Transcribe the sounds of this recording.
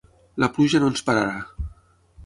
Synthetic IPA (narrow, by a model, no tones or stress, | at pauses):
lapluʒanonspaɾaɾa